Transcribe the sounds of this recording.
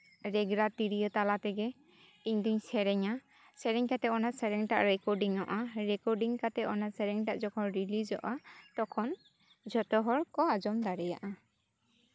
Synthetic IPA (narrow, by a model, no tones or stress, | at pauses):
ɾɛɡɾat̪iɾijɔt̪alat̪ɛɡɛ | iɲd̪iɲsɛɾɛɲa | sɛɾɛɲkat̪ɛɔnasɛɾɛŋʈaʔɾɛkɔɾɖiŋɔ̰ʔaɾɛkɔɾɖiŋkat̪ɛʔɔnasɛɾɛŋʈaʔd͡ʒɔkʰɔnɾilid͡ʒɔʔat̪ɔkʰɔn | d͡ʒɔt̪ɔɦɔɾkɔad͡ʒɔmd̪aɾɛja̰ʔa